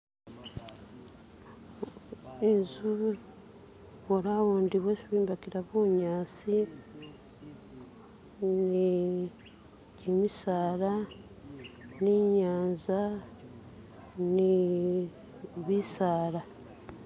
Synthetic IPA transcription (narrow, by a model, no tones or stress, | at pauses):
inzu | βoɾawoːndiβwesiβiːmbakiɾaβoɲaːsi | ni | ɟimisaːɾa | niɲaːnza | ni | βisaːɾa